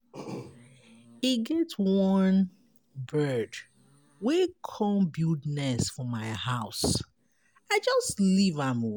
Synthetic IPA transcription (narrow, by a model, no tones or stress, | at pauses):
iɡɛtwʌ̃n | bɜ˞d | wikʰɔmbjudnɛsfɔmaɪhaʊs | aɪd͡ʒʌstlivãm